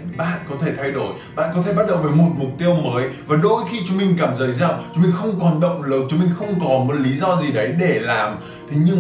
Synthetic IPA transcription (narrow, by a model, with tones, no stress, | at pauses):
ɓa̰ː˧˨nkɔ˨˦t̪ʰe˧˩t̪ʰa˧jɗo˧˩j | ɓa̰ː˧˨nkɔ˨˦t̪ʰe˧˩ɓa˦˥t̚ɗə̰˧˨wvəː˨˦jmo˨˩t̚mʊ˨˩k͡p̚t̪i˧əwməː˨˦jvaː˨˩ɗo˧jxi˧t͡ɕʊ˨˦ŋ͡mmï˧ŋ̟kaː˧˩mzəː˨˦jza˧˩wt͡ɕʊ˨˦ŋ͡mmï˧ŋ̟xə˧wŋ͡mkɔ˨˩nɗə̰˧˨wŋ͡mləː˨˦˩t̚t͡ɕʊ˨˦ŋ͡mmï˧˩ŋ̟xə˧wŋ͡mkɔ˨˦nmo˨˦t̚li˨˦zɔ˧zi˨˩ɗə˨˦jɗe˧˩laː˨˩m | t̪ʰe˨˦ɲɨ˧ŋ